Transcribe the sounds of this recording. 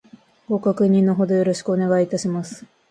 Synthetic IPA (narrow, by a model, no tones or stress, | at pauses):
ɡ̥o̞kakɯ̟ɲ̟ĩnːo̞ɦo̞d̪o̞jo̞ɾo̞ɕi̥kɯ̟one̞ɡait̪aɕimasɨ̥